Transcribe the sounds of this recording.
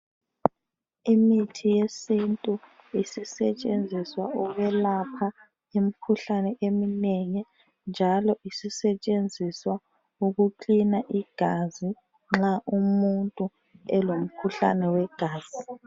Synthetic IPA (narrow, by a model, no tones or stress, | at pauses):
imitʰijesintʼu | isisɛt͡ʃʼend͡zʱiswauβɛlapʰa | em̩kʰuɬanɛʔemineŋi | nd͡ʒʱalɔʔisisɛt͡ʃʼend͡zʱiswa | uɣuǃinaʔiɡ̥ʱazi | ŋ͡ǁaʔumuntʼu | ɛlom̩kʰuɬa̰nɛwɛɡ̥ʱaːz̥i